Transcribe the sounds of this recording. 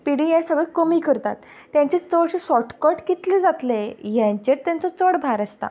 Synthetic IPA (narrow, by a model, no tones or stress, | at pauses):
piɽiajsəɡekəmiːkəɾt̪a̰t̪ː | jãɲt͡ɕet͡səɽɕiɕɔʈkɔʈkit̪led͡zat̪lejãɲt͡ɕet̪ːjãnt͡sɔt͡səɽbʱaɾəst̪a̰